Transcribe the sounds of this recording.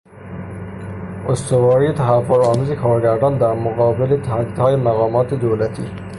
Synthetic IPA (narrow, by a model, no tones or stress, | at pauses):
ʊst̪ʊwɑɾit̪aɦafʊɾɑmzikʰɑɾɡaɾɖɑnd̪əmʊqɑbɪlet̪ahad̪id̪ɑjemaqɑmɑt̪ed̪awlat̪i